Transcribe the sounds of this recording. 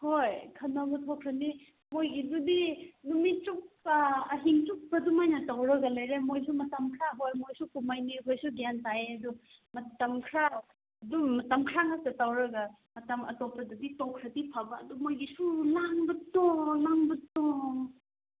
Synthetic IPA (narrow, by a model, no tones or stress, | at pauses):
hojkʰɐnɐɡutʰokʰɾɐni | mojɡidudinumiuk̚ɐɦiŋt͡ʃuk̚pɐdumajnɐtawɾɐɡɐlajɾemojs̬umɐtɐmkʰɾaɦojmojsukumajnikʰojsuɡantaeɐdumɐtɐmkʰɾa | ɐdumɐtɐmkʰɾaŋas̚tɐtawɾɐɡɐ | mɐtɐmɐ̰topɐduditokʰɾɐdipʰabɐ̰ːdumojɡisulaŋbɐtolaŋbɐto